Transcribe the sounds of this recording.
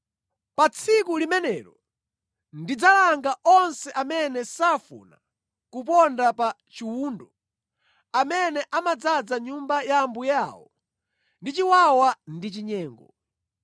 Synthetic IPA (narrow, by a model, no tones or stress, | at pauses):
pat͡sʰikulimɛnɛɾɔ | ndid͡zalaŋɡaɔnsɛʔamɛnɛsafṵna̰ | kup̬ɔndapa | t͡ʃiwuːndɔ | amɛnɛʔamad͡zad͡zaɲumbajaːmbujawɔ | ndit͡ʃiwawandit͡ʃiɲɛːŋɡɔ